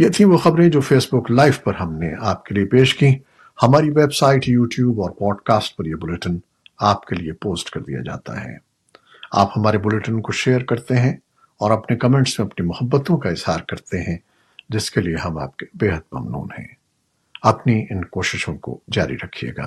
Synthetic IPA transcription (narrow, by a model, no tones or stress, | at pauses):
jet̪ʰĩʋoxɐbɾẽd͡ʒoːfeːsbʊklaːɪʋpɐɾɦɐmneaːp̚keliepeːʃkĩ | hɐmaːɾiʋeːbsaːɪʈjuːʈjuːbɔːɾpɔːɖkaːsʈ̚pɐɾjebʊleʈən | aːpkeliepoːsʈkɐɾd̪ḭja̰d͡ʒa̰ːt̪a̰ɦɛ̰̃ː | a̰ːphɐmaːɾebʊleʈənkoʃeːəɾkɐɾt̪eɦɛ̃ | ɔːɾɐpnekɐmɛ̃ːɳʈsmẽɐpnimʊhəbːət̪õkaɪz̥haːɾkɐɾt̪eɦɛ̃ | d͡ʒɪskelieɦɐma̰ːp̚ke̥beːɦəd̪̚mɐ̰mnṵːnhɛ̰̃ː | ɐpniɪnkoːʃɪʃõko̰d͡ʒaːɾḭɾɐkʰiḛːɡa̰ː